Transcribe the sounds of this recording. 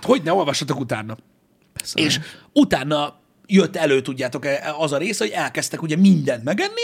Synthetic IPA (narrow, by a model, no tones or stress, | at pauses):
t̪ho̞ɟnɛo̞lvɒʃːɒt̪o̞kut̪aːnːɒ | eːʃ | ut̪aːnːɒ | jøt̪ːɛløːt̪uɟːaːt̪o̞kɛɒzɒɾeːsɛho̞ɟɛlkɛst̪ɛkuɟɛmind̪ɛnt̪mɛɡɛnːi